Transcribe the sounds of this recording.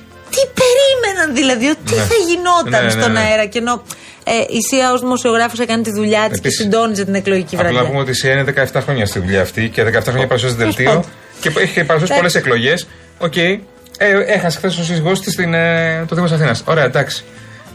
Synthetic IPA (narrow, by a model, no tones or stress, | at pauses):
t̪ipe̞ɾime̞nɐnðilɐðiot̪iθɐʝino̞tnɐnsno̞nɐeɾɐceno̞ | eʔisiɐozðimo̞sio̞ɣɾɐfosɐkɐnit̪iðuʎɐstesind̪o̞nizet̪ine̞kloʝicivɐvɾɐlɐnɐpumeo̞t̪isiɐineðe̞kɐeft̪ɐxɾoɲɐst̪iðuʎɐːft̪iceðekɐeft̪ɐxɾoɲɐpɐɾusɐs̬t̪ðelt̪io | ceeçepɐɾus̬ɐsipoleseklo̞ʝe̞s | o̞ce̞j | eexɐsexθesos̬iziɣost̪ist̪inet̪oðimosɐθinɐso̞ɾe̞ɐd̪ɐksi̥